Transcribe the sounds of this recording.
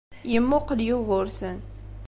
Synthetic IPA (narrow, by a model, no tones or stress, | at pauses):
jəmːʊqəljʊʁʊɾsən